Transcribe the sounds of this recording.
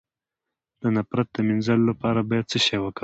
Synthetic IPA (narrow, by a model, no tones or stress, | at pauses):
d̪ənapɾat̪̚d̪əminzalolapɑɾabɑjad̪̚t͡səʃɑjwəkə